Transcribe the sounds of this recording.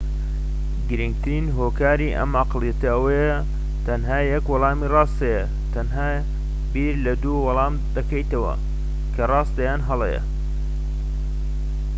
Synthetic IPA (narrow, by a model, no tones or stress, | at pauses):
ɡɨɾɨŋɡ̚t̪ɨɾiːnɦoːkaːɾiʔɐ̰mʔɑqlˠijɐt̪ɐɐwɐjɐ | t̪ʰɐnɦaːjɐkwɑlˠɑːmiːrɑːst̪ɐjɐ | t̪ʰɐnɦaː | biːɾlɐd̪uːwɑlˠɑːmd̪ɐkɐjt̪ɐwɐ̰ | kʰɐrɑːst̪d̪ɐjaːnɦɐlˠḛjɐ̰